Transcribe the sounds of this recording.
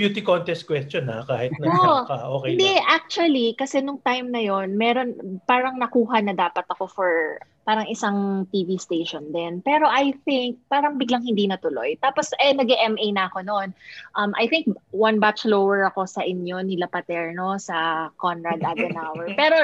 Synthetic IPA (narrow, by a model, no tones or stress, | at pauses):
bjuːt̪ɪkont̪ɛst̪̚kwɛst̪t͡ʃonakaːhɪt̪̚nɐoakɐʔoːkɛɪnd̪ɛʔak̚t͡ʃʊɐlikɐsɛnʊŋt̪ajmnɐjo̞nmɛɾo̞npaːɾɐŋnɐkuːɦɐnɐd̪aːpɐt̪ɐko̞fɔɹpaːɾɐŋʔɪsaŋt̪iːvist̪eːʃond̪ɛnpɛːɾo̞ʔɐjθɪŋk̚paːɾɐŋbɪɡlaŋhɪnd̪inɐt̪ʊlo̞̰jt̪aːposʔɛnɐɡɛʔɛmʔejnɐʔɐko̞nonʔɐmʔɐ̰jθɪŋk̚wɐnbat͡ʃlowɛɹɐko̞sɐʔɪnjo̞nɪlɐpɐt̪ɛɹno̞sɐkonɹad̪ʔɐd̪ɛnawɛɹpɛːɾo